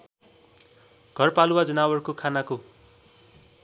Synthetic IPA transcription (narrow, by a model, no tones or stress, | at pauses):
ɡʱʌrpalwad͡zʌnawʌrkokʰanako